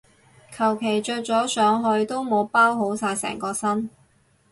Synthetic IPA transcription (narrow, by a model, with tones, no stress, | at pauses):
kʰɐ˨˩wkʰe˨˩jt͡ʃɵː˧t͡sɔː˨˥sœː˨˧ŋɦɵ˧ɥt̪o˥wmo˨˧wpaː˥wɦo˨˥wsaː˧jsɛ̰ː˨˩ŋkɔː˧sɐ˥n